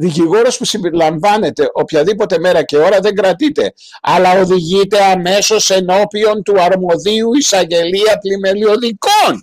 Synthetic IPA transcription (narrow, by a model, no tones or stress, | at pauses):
ðiciɣo̞ɾɐspusimbeɾilɐɱvɐne̞t̪e̞ʔopçɐðipo̞t̪e̞me̞ɾɐce̞o̞ɾɐðe̞ŋɡɾɐt̪it̪e̞̰ | ɐlɐo̞ðiʝit̪e̞ɐme̞so̞se̞no̞pio̞nt̪uɐɾmo̞ðiuisɐɲɟe̞liɐplime̞lio̞ðiko̞n